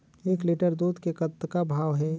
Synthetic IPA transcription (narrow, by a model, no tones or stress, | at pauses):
eːkliʈəɾd̪uːd̪ʱkekɐt̪ːkabʱaːʋɦɛː